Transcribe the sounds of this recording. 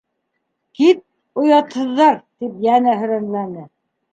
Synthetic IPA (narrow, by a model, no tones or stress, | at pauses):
kit̪̚ | ŏjɑt̪hɤ̆ðːɑɾt̪ipjænæɦɵ̆ɾænlænɘ